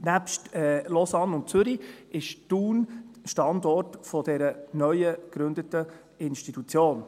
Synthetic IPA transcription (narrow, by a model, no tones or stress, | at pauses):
næpʃtɛlɔsɑnʊnt̚t͡sʏɾiɪʃtuːnʃtɑndɔrtfɔd̥ɛɾənœʏəkɾʉnd̪ətə | ɪnʃtitut͡sjoːn